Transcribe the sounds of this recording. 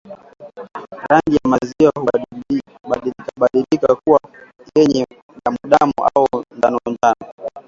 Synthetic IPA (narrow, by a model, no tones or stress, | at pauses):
ɾanɡijamaziwahu | lkaɓaɗilikakuwa | jɛɲɛ | ɗamuɗamɔ̰ʔaundanɔndanɔ